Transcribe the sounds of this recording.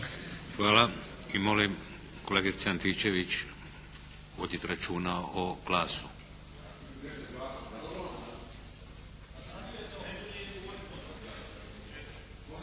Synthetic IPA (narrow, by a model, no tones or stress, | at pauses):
xʋaːla | imolim | koleɡisiant̪iːt͡ʃeʋit͡ʃ | ʋod̪it̪ɾat͡ʃuːnaoɡlaːsu